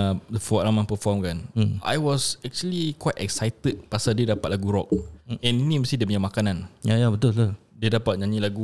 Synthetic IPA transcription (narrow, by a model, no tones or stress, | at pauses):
dəfɔɾamãŋpəfɔmkanʔa̰jwɔsɛk̚t͡ʃuəlikwajt̪ɛk̚sajt̪əd̚pasadiədapat̪̚laɡuɾɔk̚ɛ̃ninĩməst̪ĩdiəpəɲamakanãnjajabət̪ʊlt̪ul | diədapat̪̚ɲãɲĩlaɡu